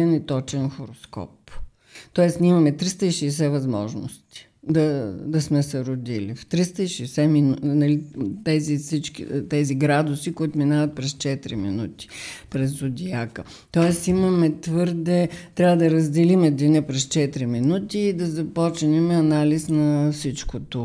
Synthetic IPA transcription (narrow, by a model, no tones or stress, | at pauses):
ɛnit̪ɔt͡ʃɛnxoɾoskɔ̰p | t̪ɔɛsnʲimɐmɛt̪ɾist̪əiʃɛːs̬ɛvɐzmɔ̰ʒnʊ̰st̪i̥ | d̪ɐd̪ɐsmɛsɛɾʊd̪ilḭft̪ɾist̪əiʃɛːsɛminnɐlit̪ɛzifsit͡ʃkit̪ɛziɡɾad̪ʊsikuit̪ʊminavɐt̪̚pɾɛst͡ʃɛt̪ɾḭmḭnut̪i̥pɾɛzʊd̪ʲiakə | t̪ɔɛsimɐmɛt̪vɤɾd̪ɛt̪ɾʲavəd̪ɐɾəzd̪ɛlimɛd̪inɛpɾɛst͡ʃɛt̪ɾiminut̪iːd̪ɐzɐpɔt͡ʃnɛmɛɐnalisnɐfsit͡ʃkot̪o